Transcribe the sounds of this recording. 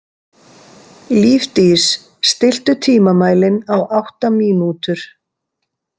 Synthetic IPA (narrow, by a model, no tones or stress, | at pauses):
liːft̪is | st̪ɪl̥t̪ʏt̪ʰiːmamaːjlɪnawʔawht̪amiːnut̪ʏɾ̥